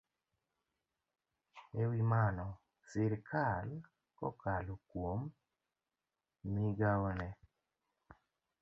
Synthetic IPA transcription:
ewimanɔ | sɪɾkʰal | kɔ̰kalokwom | iɡaɔnɛ

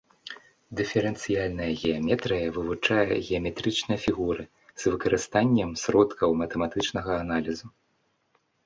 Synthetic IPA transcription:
d̪ɨfʲɛɾɛnt̪sɨjalʲnɐjɐɣʲɛɐmʲɛt̪ɾɨjɐvɨvut͡ʂajɐ̰ɣʲɛɐmʲɛt̪ɾɨt͡ʂnɨjɐfʲiɣuɾɨ | zvɨkɐɾɨst̪anʲːɐmsɾɔt̪kʰɐwmɐt̪ɛmat̪ɨt͡ʂnɐɣɐːnalʲizu

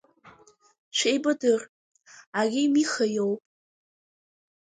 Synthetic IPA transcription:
ʃʷʰejbɨdɨr | aɡʲɪmiχajowpʼ

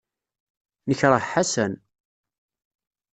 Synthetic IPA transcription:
nəçɾˤəħħasæn

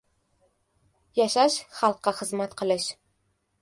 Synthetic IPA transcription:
jɑʃɑʃχɑlˠqːɑχə̆zmat̪qʰə̆lˠɘʃ

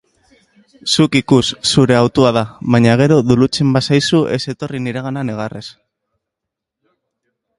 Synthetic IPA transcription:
sukikusːuɾe̞awt̪uað̞aβaɲaɣ̞e̞ɾo̞ðulut͡se̞mbasajsuʔe̞se̞t̪o̞riniɾaɣ̞ananeɣ̞arʔe̞s

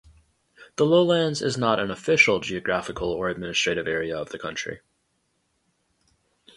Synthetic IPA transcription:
ðəloʊlæ̃nzɪ̰znəɾɨ̃nəfɪʃl̩ˠd͡ʒiɨɡɹæfɨkʰl̩ˠə˞ɨd̚mɪ̃nɨstɹ̥eɪɾɨvɛɹiəʌvðɨkʰʌ̃nt͡ʃɹ̥ḭ

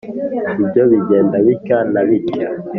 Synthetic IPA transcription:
ibɟoβiɟeːndaβikanaβika

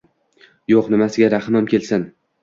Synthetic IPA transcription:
joqnɪmasɪɡʲaɾahmɒmkʲe̞lsɪn

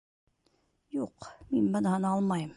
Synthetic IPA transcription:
juqminbɤ̆nɑɦɤnɑlˠmɑjɤm

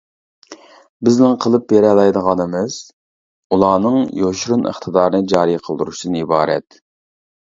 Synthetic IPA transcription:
bɪznɪŋqʰəlˠɨpbeɾɛlˠɑjd̪əʁɑnɨmɨz̥ | ulˠɑːnɨŋjoʃɾunʔə̰χt̪ʰəd̪ɑːɾnɨd͡ʒɑːɾiqʰəlˠd̪uɾuʃid̪ɨnibɑːɾɛ̰t̪

